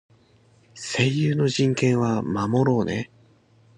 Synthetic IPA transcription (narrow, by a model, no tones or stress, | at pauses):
se̞jɯːno̞ʑĩŋkẽ̞ɰ̃βamamo̞ɾo̞ːnḛ